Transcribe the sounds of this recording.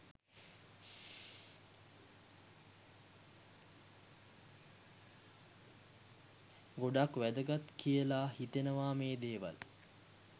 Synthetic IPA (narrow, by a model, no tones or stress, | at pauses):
ɡoɖakʋæd̪əɡat̪kʰijəlaːhit̪enəʋaːmeːd̪eːʋa̰l